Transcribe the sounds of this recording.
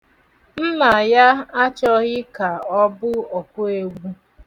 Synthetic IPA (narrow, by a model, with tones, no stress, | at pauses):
n̩˦na˨ja˦a˦t͡ʃɔ˦ɣɪ˦ka˨ɔ˦bʊ˦ɔ˨kʷʊ˦e˨ɡ͡bu˦